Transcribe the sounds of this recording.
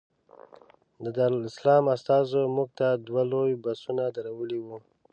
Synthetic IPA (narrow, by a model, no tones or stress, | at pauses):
d̪əd̪aɾlɪslɑmast̪ɑzomuɡ̚t̪ad̪walojbasunad̪aɾawəliwu